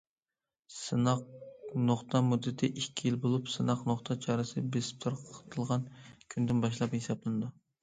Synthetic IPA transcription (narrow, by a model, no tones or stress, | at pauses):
sɨnɑq̚noχt̪ʰɑmud̪ːɪt̪ʰɪʔikʲʰːijilbolˠupsɨnɑqnoχt̪ʰɑt͡ʃʰɑːɾɨsɨbesp̚t̪ʰoɾqʰt̪ʰɨlˠʁɑnkʲʰynd̪ɪnbɑʃ̬lˠɑphesɑplˠɨnɨd̪u